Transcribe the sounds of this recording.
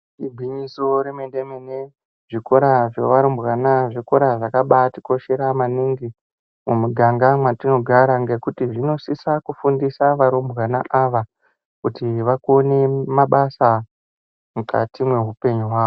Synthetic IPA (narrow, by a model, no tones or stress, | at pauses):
ibʱwiɲisoɾemendemene | ʐiko̞ɾaʐeʋaɾombwanaʐiko̞ɾaʐakaɓati̥ko̞ʃe̞ɾamaniŋɡi | mumuɡʱaŋɡamwatino̞ɡʱaɾaŋɡe̞kutiʐino̞sisakufundisaʋaɾombwanaʔaʋa | kutiʋakuone̞maɓasa | muka̰timwe̞ɦupe̞ɲuɦwaːo